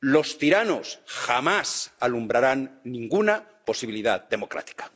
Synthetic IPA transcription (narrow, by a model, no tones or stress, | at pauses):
lo̞st̪iɾanosxamasalumbɾaɾanːĩŋɡuna | po̞siβiliðaðd̪e̞mo̞kɾa̰t̪i̥kḁ